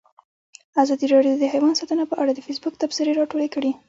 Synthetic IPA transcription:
azɑd̪iɾɑɖjod̪əɦajwɑnsɑt̪ənapəʔaɽad̪əfesbʊk̚t̪absəɾeɾɑʈolekəɽi

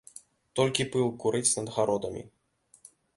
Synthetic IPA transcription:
t̪ɔlʲkʲipɨlˠkuɾɨt͡s̪ʲnɐd̪ɣaɾɔd̪ɐmʲḭ

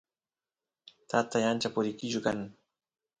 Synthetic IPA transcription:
t̪at̪ajant͡ʃapʊɾɪkɪt͡ʃʊkaŋ

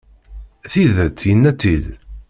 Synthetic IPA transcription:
θiðət̪ːjənːæt̪ːið

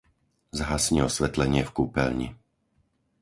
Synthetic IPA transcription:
zɦasɲiɔsʋɛt̪lɛɲɪɛfkuːpɛlɲḭ

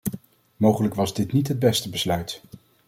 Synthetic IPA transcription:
mowχələkʋɑzdɪtnitɦəd̚bɛstəbəslœɥt

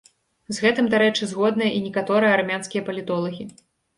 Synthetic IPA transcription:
zɣɛt̪ɨmd̪aɾɛt͡ʂɨzɣɔd̪̚nɐjɐʔinʲɛkat̪ɔɾɨjɐarmʲanskʲijɐpɐlʲit̪ɔlˠɐɣʲi

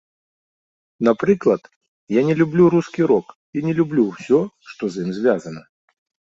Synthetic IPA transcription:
napɾɨklˠɐt̪ | janʲɛlʲublʲuɾuskʲiɾɔk | inʲɛlʲublʲuwsʲɔ | ʂt̪ɔzimzʲvʲazɐnɐ

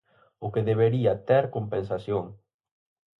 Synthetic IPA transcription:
ʊkeðeβ̞eɾiat̪eɾkompensasjoŋ

